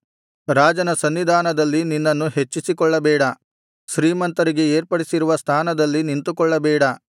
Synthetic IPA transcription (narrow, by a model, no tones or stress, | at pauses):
ɾaːd͡ʒɐnɐsɐnʋid̪ʱaːnɐd̪ɐlːininːɐnːuɦe̞t͡ʃːisikɔɭːɐbɛːɽɐ | ʃɾiːmɐnt̪ɐɾiɡe̞eːɾpɐɽisiɾuʋɐst̪ʰaːnɐd̪ɐlːinint̪ukɔɭːɐbɛːɽɐ